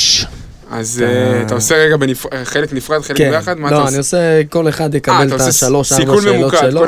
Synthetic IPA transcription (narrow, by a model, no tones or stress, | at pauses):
a̰zat̪aoseʁeɡabenifχeleknifʁad̪χelkeejaχad̪maloanioseko̞leχad̪jekabelat̪sʃalo̞ʃaimeulmeulokʃelo